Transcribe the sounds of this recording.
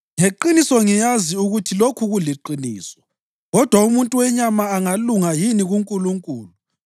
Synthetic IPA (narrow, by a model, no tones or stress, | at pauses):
ŋeǃinisɔŋijaziuɣutʰilokʰuɣuliǃinḭːsɔ̥ | ɣɔd̥ʱwaumuntʼuwɛɲamaːŋaluŋajiniɣuŋkʼuluŋkʼuːlu